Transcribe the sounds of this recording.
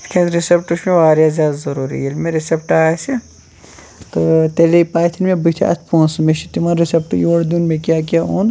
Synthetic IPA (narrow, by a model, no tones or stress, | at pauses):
kʰẽt̪ɾɪsepʈusmẽʋaːɾjazʲjaːd̪azɐɾuːɾḭilmẽɾɪsepʈaːse | t̪ot̪elepaːt̪ʰinmẽbit̪ʰa̰ʔɐ̰t̪ʰpõːnsmeʃit̪imanɾisep̚ʈjoːɽd̪uːnmẽkjaːk̬jaːoːn